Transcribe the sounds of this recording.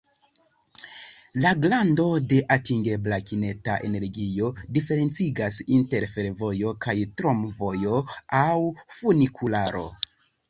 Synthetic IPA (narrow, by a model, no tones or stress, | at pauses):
laɡlando̞de̞ʔatiŋɡe̞blakine̞taʔe̞̰ne̞ɾɡio̞dife̞ɾe̞nt͡siɡasinte̞ɾfe̞ɾvo̞jo̞kajtɾomvo̞jo̞awfunikʰulaɾo̞̰